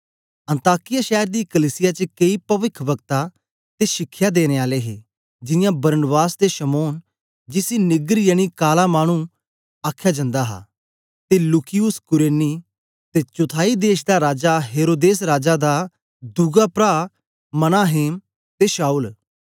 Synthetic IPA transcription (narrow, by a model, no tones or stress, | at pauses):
ɐ̃nt̪aːkɪjaʃɛːəɾd̪iːkəliːsɪjaːt͡ʃəkeipɐʋɪkʰʋəɡt̪a | t̪eːʃɪkʰːjaːd̪eːñeːaːleːɦeː | d͡ʒɪjãːbɐɾnbaːsd̪eʃəmoːn | d͡ʒɪsinɪɡɾjəɽ̃ikaːlaːmaːɽ̃ũ | aːkʰjaːd͡ʒɐ̃nd̪aːɦa̰ː | t̪elukʰɪjʊskʊɾeːniː | t̪eːt͡ʃʊt̪ʰaːid̪eːʃd̪aːɾaːd͡ʒaːɦeːɾoːd̪eːsɾaːd͡ʒad̪aː | d̪uɡaːpɾaː | mɐnaːɦeːm | t̪eːʃaːul